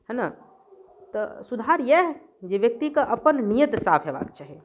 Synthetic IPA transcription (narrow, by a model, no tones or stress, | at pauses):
ɦə̃na | t̪ɔsud̪ʱaɾjɛɦ | d͡ʒeʋjək̚t̪ikeʔəpənnijət̪sapʰɦeba̰kt͡ʃʰaɦi